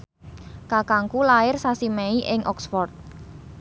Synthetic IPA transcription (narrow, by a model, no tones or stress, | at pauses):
kakaŋkulaɪrsasimɛiʔɪŋʔɔksfɔrt̪̚